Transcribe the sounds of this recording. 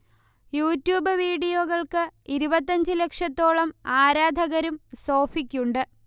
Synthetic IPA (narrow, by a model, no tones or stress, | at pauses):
juːtːjuːbɨʋiːɽijoːɣɐɭkɨiɾubɐt̪ːɐɲd͡ʑɨle̞kʂɐt̪ːo̞ːɭɐmaːɾaːd̪ʱɐɣɐɾumso̞ːfikʲːuɳɖɨ